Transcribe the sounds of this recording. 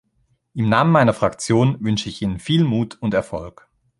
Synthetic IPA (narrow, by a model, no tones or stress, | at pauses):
ʔɪmnaːmənmaɪnɐfʁ̥akt͡sjoːnvʏnʃəɪçʔiːnənfiːlmuːtʰʊntɛɐfɔlk